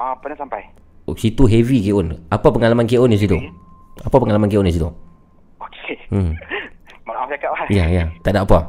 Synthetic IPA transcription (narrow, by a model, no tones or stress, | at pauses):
ãpanasampaj | sit̪uɦevikeʊnapapəŋalamankeʔʊndis̬it̪uapapəŋalamankeʔɔndis̬it̪u | okʰe | maaasakap̚lajajat̪aʔdaʔapa